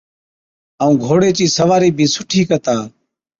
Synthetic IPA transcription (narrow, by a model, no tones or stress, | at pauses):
əũːɡʱoːɽeːt͡ʃiːsəʋaːɾiːbʱiːsʊʈʰiːkət̪aː